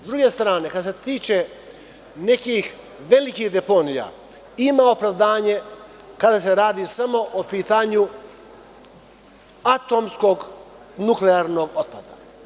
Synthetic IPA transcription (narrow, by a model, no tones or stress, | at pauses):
zd̪ɾuɡe̞st̪ɾaːne̞kad̪aset̪iːt͡ʃe | ne̞kix | ʋe̞likihd̪epo̞nija̰ | imaopɾaʋd̪aːɲe̞kad̪ase̞ɾaːd̪isamo̞ʔopiːt̪aɲu | at̪o̞msko̞ɡ | nukleaːɾno̞ɡot̪̚pad̪a̰